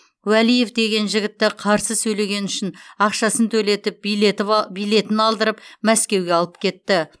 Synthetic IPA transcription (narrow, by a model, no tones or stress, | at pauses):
wælije̞fd̪e̞ɡʲe̞nʒɪɡʲɪt̪ːɪqʰɑɾsəsɵjle̞ɡʲe̞nʏʃɪnɑqʃɑsənt̪ʰɵle̞t̪ɪp̪̚ | bijle̞t̪ɪnɑlˠd̪əɾəp̚mæskʲe̞wɡʲe̞ɑlˠəp̚kʲʰe̞t̪ːɪ